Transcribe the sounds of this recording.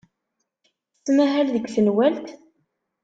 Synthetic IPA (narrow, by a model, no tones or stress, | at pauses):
θə̥t͡sːmæɦælðəɡʷθənwælt̪